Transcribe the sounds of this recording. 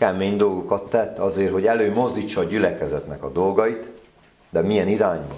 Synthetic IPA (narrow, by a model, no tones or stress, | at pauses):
kɛmeːɲd̪o̞lɡokɒt̪ːɛt̪ːɒzeːrɦoɟɛløːmo̞zd̪it͡ʃːɒːɟylɛkɛzɛt̪nɛkɒd̪o̞lɡɒit̪ | d̪ɛmijɛniɾaːɲvɒ̰